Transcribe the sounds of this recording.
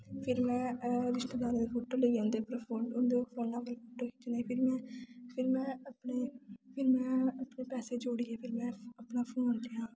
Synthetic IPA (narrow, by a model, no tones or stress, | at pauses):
pʰɪɾmɛ̃ːɾɪʃʈəd̪aːɾːd̪eːpʰoːʈoːləiːõnd̪eːpɾəpʰoːʊnd̪eɾoːnãːpəlpʰoːʈoːkiːt͡ʃ̪ːneːpʰɪɾmɛ̃ːpʰɪɾmɛ̃ːəpneːpʰɪɾmɛ̃ːəpneːpɛːseːd͡ʒoːɽiːɦeːpʰɪɾmɛ̃ːəpnaːpʰũːnd̪eɦãː